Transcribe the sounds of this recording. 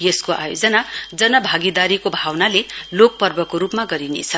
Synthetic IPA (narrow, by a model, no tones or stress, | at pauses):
jeskoʔa̰jod͡zʌnad͡zʌnʌbʱaɡid̪aɾikobʱawnalelok̚pʌrbʌkoɾupmaɡʌɾinḛt͡sʰʌ